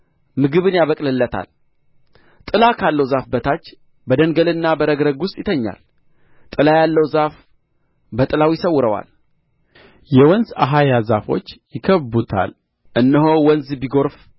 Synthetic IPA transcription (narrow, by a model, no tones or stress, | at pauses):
mɨɡɨβɨnjaβəkʼlɨlːət̪ʰa̰l | t̪ʼɨlakʰalːəwzafbət̪ʰat͡ʃː | bəd̪əŋɡəlɨnːabəɾəɡɾəɡwʊst̪ʼjɪt̪ʰəɲːa̰l | t̪ʼɨlajalːəwzaf | bət̪ʼɨlawjɪsəwːʊɾəwa̰l | jɛwɔnzaɦajazafo̞̰t͡ʃːjɪkʰəβbut̪ʰa̰l | ʔɨnːəɦo̞wɔnzbiɡo̞ɾf